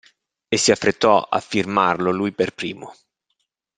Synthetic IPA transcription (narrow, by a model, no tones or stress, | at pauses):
esːiafːɾet̪ːɔa̰fːirmarlolujperpɾiːmo